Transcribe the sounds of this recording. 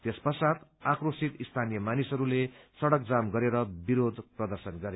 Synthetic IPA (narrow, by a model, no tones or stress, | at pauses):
t̪espʌsat̪akrosit̪ist̪ʰanijʌmanisʌɾulesʌɽʌk̚d͡zamɡʌɾeɾʌbiɾod̪ʱprʌd̪ʌrsʌnɡʌɾe